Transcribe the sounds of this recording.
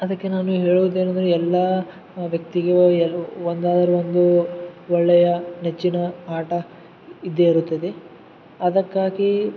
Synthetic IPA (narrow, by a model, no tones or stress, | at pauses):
ɐd̪ɐkːe̞naːnuɦe̞ːɭuʋud̪e̞ːnɐnd̪ɐɾeɛlːɐ | ʋjɐk̚t̪iɡeond̪aːd̪ɐɾeʋond̪uʋɔɭːɛjɐnet͡ʃːinɐɦaːʈɐ | id̪ːeɐɾut̪ːɐd̪e | ɐd̪ɐkːaːɡi